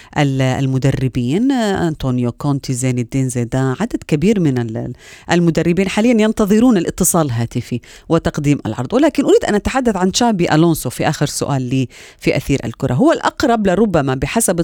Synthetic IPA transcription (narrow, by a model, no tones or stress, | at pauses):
ʔala̰lmʊd̪arːɪbiːnʔant̪oːnjokont̪izaːnɪd̪ːeːnzaːd̪aʕad̪ad̪kabiːɾmɪnaʔalmʊd̪arːɪbiːnħaːlɪjːanjɑnt̪ɑðˤɨɾuːnalʔɪt̪ːɨsˤɑːlɦaːt̪ɪfi | wɪt̪ɑqd̪iːmʔa̰lʕɑ̰ɾˤd̪ˤwɪlaːkɪnʔʊɾiːd̪ʔanʔat̪aħad̪ːaθʕanʃaʕbiʔaloːnsofiʔaːxɪɾsʊ̰ʔaːlːiː | fiʔa̰θiːɾʔa̰lkʊɾˤɑɦʊwːalʔɑqɾˤɑblɪɾˤʊbːamabɪħasab